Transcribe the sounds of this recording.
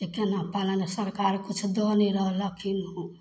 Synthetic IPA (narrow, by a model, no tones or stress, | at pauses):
t̪ekenapalanesəɾkaɾkut͡ʃʰd̪ɔneɾəɦləkʰinɦũ